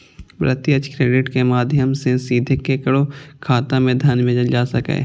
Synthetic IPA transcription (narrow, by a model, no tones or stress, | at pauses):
bɾə̰t̪iət͡ʃkɾeːɖɪʈkemaːd̪ʱjəmsẽsiːd̪ʱekːekəɽokʰaːt̪ãmẽd̪ʱɐnmẽd͡ʒəld͡ʒaːsəkḛː